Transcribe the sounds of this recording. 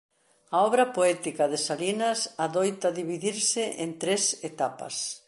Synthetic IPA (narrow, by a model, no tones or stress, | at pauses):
ɐɔβɾɐpoɛt̪ikɐðɪsalinɐsaðojt̪ɐðiβiðiɾsɪʔent̪ɾeset̪apɐ̰s